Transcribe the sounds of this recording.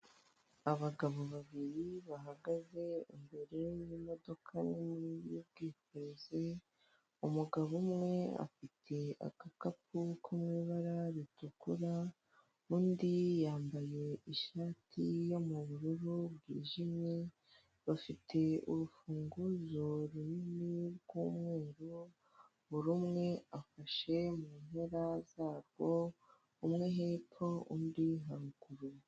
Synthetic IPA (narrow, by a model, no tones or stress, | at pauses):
aβaɡaβo̞βaβiɾiβaɦaɡaze̞imbe̞ɾe̞jimo̞do̞kʰanimijub̚ɡiːkoɾeze | umuɡaβumŋe̞a̰fitʰe̞a̰kakap̚ukʰumŋiːβaɾaɾitukuɾa | uːndijaːmbaje̞iʃaːtʰijo̞muβuɾuɾuβɡḭːʒimɲi | βafitʰe̞uɾufuːŋɡuzo̞ɾuniniɾɡuːmŋe̞ːɾu | βuɾumŋe̞afaʃe̞muːnhe̞ɾazaːɾɡo̞ | umŋe̞ɦepʰoundiɦaɾuɡuɾu